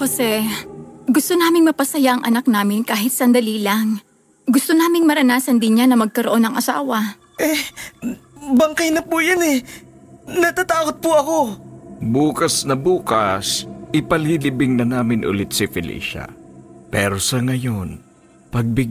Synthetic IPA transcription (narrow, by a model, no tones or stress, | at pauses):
posɛ | ɡʊst̪onaːmɪŋmɐpɐsɐjaʔɐŋʔɐ̰nak̚naːmɪnkaːɦɪt̪̚sɐnd̪ɐlilaŋ | ɡʊst̪onaːmɪŋmɐɾɐnaːsɐnd̪ɪnɲanɐmɐɡ̚kɐɾoʔo̞nɐŋʔɐsa̰ːwɐ | ʔɛ | bɐŋkɐjnɐpujanɛ | nɐt̪at̪aːkot̪̚pʊʔɐkobuːkɐsnɐbuːkɐsʔɪpɐliːlɪbɪŋnɐnaːmɪnʔʊ̰lɪt̪̚sɪfɪlḭːʃɐ̰pɛːɾosɐŋɐjon | pɐɡ̚bɪɡ